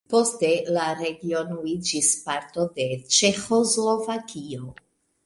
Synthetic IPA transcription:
po̞ste̞laɾe̞ɡio̞nuid͡ʒispaɾto̞de̞t͡ʃe̞xo̞zlo̞vakio̞

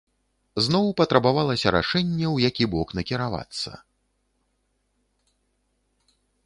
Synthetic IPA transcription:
znɔwpɐt̪ɾɐbavalˠɐsʲɐɾa̰ʂɛnʲːɛwjakʲibɔknɐkʲiɾava̰t̪sːɐ̰

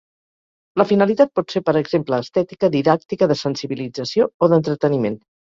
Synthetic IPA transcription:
ləfinəlit̪at̪̚pɔt̪seɾpəɾəɡzempləːst̪ɛt̪ikəðiðak̚t̪ikəðəsənsiβilid͡zəsiooðənt̪ɾət̪ənimen

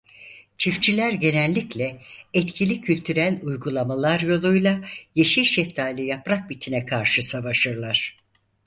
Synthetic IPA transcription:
t͡ʃʰift͡ʃʰilʲæɾɟe̞nɛlʲːiclʲɛɛt̪cʰilʲicʰylʲt̪ʰyɾælʲujɡulˠamalˠaɾjo̞lˠujlˠajeʃilʲʃɛft̪ʰaːlʲˠɯjapɾak̚bit̪ʰinɛkʰaɾʃɯsavaʃɯɾlˠaɾ̥

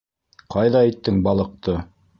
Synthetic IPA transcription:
qɑjðɑæjt̪ːɘŋbɑlˠɤ̆q̚t̪ɤ

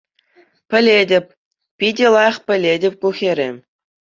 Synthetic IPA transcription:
pʲɘ̆lʲedʲɘ̆pʲ | pʲidʲĕlˠɑj̆χpʲɘ̆lʲedʲɘ̆p̚ʲkuxʲeɾʲḛ

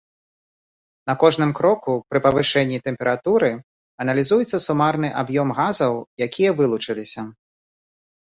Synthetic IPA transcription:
nɐkɔʐnɨmkɾɔkupɾɨpɐvɨʂɛnʲːit̪ɛmpʲɛɾat̪uɾɨ | ɐnɐlʲizujɛt̪sːɐsumarn̪ɨʔabjɔmɣazɐwjakʲijɐvɨlˠut͡ʂɨlʲisʲɐ

